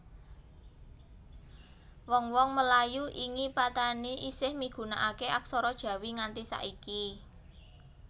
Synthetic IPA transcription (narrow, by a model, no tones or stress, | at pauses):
wɔŋwɔŋməlajuʔiŋipat̪aniʔisɪhmiɡ̥ṳnaʔakeʔak̚sɔɾɔd̥ʒ̥ä̤wiŋant̪isa̰ʔiki